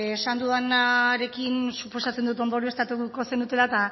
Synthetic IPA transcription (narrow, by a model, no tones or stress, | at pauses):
esand̪uðanaɾe̞kinsupo̞sat͡se̞nd̪ut̪o̞nd̪o̞ɾie̞st̪at̪uko̞se̞nut̪e̞lat̪a